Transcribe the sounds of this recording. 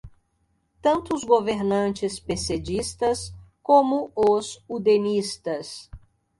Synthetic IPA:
t̪ɐ̃nt̪ʊzɡoveɾnɐ̃nt͡ʃɪspesed͡ʒist̪ɐskõmʊʊzud̪enist̪ɐs

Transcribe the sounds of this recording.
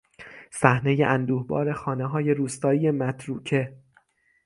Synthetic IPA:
sæhne̞jeʔænd̪uːhbɒ̰ːɾe̞xɒːneɦɒːje̞ɾuːst̪ɒːiːje̞mæt̪ʰɾuːcʰe̞

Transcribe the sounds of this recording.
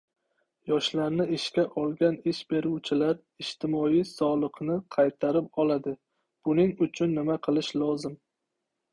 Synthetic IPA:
jɒʃlaɾnɪɪʃkʲaʔɒlˠɡʲanɪʃbe̞ɾuwt͡ʃʰɪlaɾ | ɪʃt̪ʰɪmɒijsɒlˠɨqnɪqʰɑjt̪ʰaɾɪp̚ɒlad̪ɪ | b̥ʊnɪŋʊt͡ʃʰʊnːɪmaqʰɨlˠɪʃlˠɒzɪm

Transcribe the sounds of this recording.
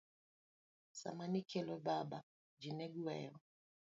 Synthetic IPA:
sa̰manikʰɛlɔbaba | d͡ʒinɛɡuɛ̰jɔ

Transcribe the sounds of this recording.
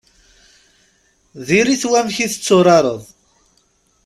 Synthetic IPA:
ðiɾiθwæmçiθət͡sːoɾˤɑɾˤəðˤ

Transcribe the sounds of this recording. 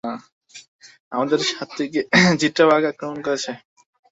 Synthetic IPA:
ã | amad̪eɾʃat̪ːiked͡ʑiʈːabʱaɡakɾomonkɔɾet͡ɕʰe

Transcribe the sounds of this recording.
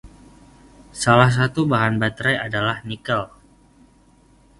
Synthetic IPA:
salahs̬at̪ubaɦanbat̪ɾajadalahnikəl

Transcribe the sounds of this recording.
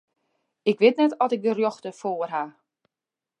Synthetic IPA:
ɪkʋɪtnɛtɔtɪk̚dərjoxtəfoːərɦa

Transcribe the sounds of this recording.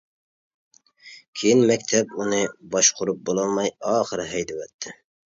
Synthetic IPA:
kʲʰejinmɛkʲt̪ʰɛbunɨbɑʃqʰʊɾup̚bolˠɑlˠmɑjɑːχəɾɨɦɛjd̪ɛwɛt̪ʰːɪ

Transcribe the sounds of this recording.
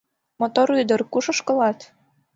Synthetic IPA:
mot̪oɾyd̪ɤ̆rkuʃɤ̆ʃkɤ̆lɑt̪

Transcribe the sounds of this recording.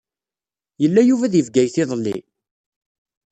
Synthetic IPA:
jəlːæjuvæðjəvɡæjθɪðˤlːḭ

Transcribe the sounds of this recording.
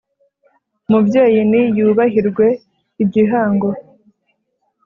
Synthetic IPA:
mubɟeːjinijuːβaɦiɾɡwe̞ | ibɟiɦaːŋɡo̞

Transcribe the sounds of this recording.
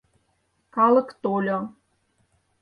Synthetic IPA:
kɑlɤ̆kt̪olʲo

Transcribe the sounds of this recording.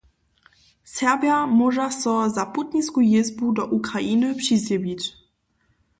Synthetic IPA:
sɛʁbʲjamɔʐasɔzaput̪ɲʲiskujezbud̪ɔʔukɾaʔinɘpʂisʲɛbʲit͡ɕ

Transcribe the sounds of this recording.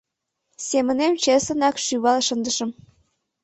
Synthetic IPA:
sʲemɘ̆nemt͡ɕesə̆nɑkʃyβɑlˠʃɤ̆nd̪ə̆ʃɤ̆m

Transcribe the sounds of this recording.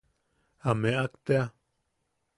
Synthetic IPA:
ameʔakt̪ea

